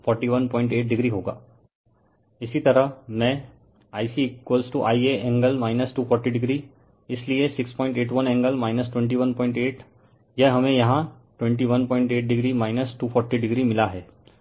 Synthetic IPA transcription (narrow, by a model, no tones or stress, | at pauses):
fɔɾʈiʋənpɔ̃ːɪ̃ɳʈeːʈ̚ɖɪɡɾiɦoːɡa̰ː | ɪsit̪əɾəmɛ̃ | aːjsikkwəlsʈuʔaːieɛ̃ŋɡəlmaːɪnəsʈuːfʰɔːɾʈiɖɪɡɾi | ɪsliesɪkspɔ̃ːɪ̃ɳʈeːʈʋənɛ̃ŋɡəlmaːɪnəsʈwẽɳʈ̬iʋənpɔ̃ɪ̃ɳʈeːʈ | jəɦɐmẽjɐɦã | ʈʋẽɳʈ̬iʋənpɔ̃ːɪ̃ɳʈeːʈ̚ɖɪɡɾimaːɪnəsʈuːfʰɔɾʈiɖɪɡɾimɪlaɦɛː